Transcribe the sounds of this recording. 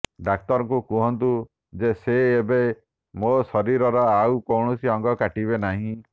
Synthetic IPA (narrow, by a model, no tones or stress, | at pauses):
ɖak̚t̪ɔɾɔŋkukuɦɔnt̪u | d͡ʒeseːbe | mosɔɾiɾɔɾɔawkɔwɳɔsiɔŋɡɔkaʈiβenaɦĩ